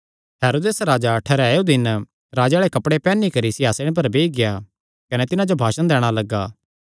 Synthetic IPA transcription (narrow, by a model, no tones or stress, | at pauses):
ɦɛːɾoːd̪eːsɾaːd͡ʒaʈʰɐɾɛod̪ɪn | ɾaːd͡ʒaːɭekɐpɽepɛːnːikɐɾisɪaːseɽ̃ẽp̬ɐɾbeːiɡɪja | kɐnɛt̪ɪnãd͡ʒobʱaːʃənd̪ɛːɽ̃alɐɡːaː